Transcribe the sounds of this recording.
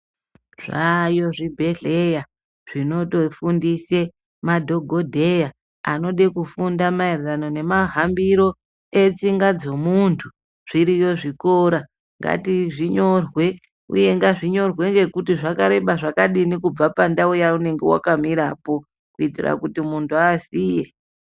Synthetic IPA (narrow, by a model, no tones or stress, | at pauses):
ʐajo̞ʐibʱe̞ɮe̞ja | ʐ̥ino̞to̞fundise | madʱoɡʱodʱeja | ano̞ɗekufundamairirano̞ne̞maɦambiɾo̞ | e̞t͡siŋɡad͡zo̞muntʰu | ʐ̥iɾijo̞ʐiko̞ɾa | ŋɡa̰tiʐiɲo̞rwe̞ | ṵje̞ŋɡaʐiɲo̞rwe̞ŋɡe̞kutiʐakaɾe̞ɓaʐakaɗinikub͡vapandaujaune̞ŋɡe̞wa̰kamiɾapo̞ | kuitira̰kutimuntʰuasiːje